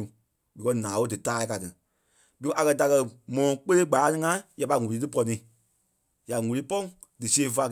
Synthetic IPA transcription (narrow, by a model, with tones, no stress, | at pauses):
u˨ | dɨ˨kɜ˧nãː˨˦wo˦dɨ˨taː˦i˦ka˨tɨ˨ | dɨ˧˦ʔa˨kɜ˧da˨kɜ˧mɔ̃˨ɔ̃˨˧k͡pe˦le˦ɡ͡ba˨˦nɨ˧ŋã˦ja˨pa˧ŋũ˨li˨˧tɨ˦pɔ˧nĩ˨ | ja˨ŋũ˨li˦pɔ̃˦ | dɨ˨si˦ẽ˦˧˦fa˧